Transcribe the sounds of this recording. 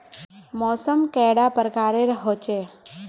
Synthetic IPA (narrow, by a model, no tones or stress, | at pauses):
mɔːsəmkɛɽapəɾkaːɾeɾɦot͡ʃe